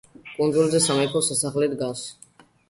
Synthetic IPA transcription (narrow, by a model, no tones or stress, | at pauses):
kʼund̪zulzɛsamɛkʰɔsɛsaχlid̪ɡas